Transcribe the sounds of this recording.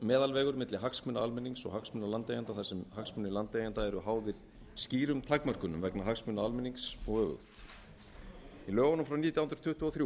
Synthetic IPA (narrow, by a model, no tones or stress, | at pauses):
mɛːðalvɛːɣʏɾmɪt̪lɪɦaksmʏnaalmɛniŋksɔ̰ɣhaksmʏnalant̪eːjant̪aθasɛmhaksmʏnɪlant̪ejant̪aɛɾʏɦaːwðɪɾ̥ | sciːɾʏmt̪ʰakmœr̥kʏnʏmvɛknaɦaksmʏnaalmɛnːiŋksɔɣœːɣʏ̰wt̪ | ilœːɣanʏmfɾawniːt̪jawʏnd̪ɾ̥t̪ʰʏht̪ʏɔθɾju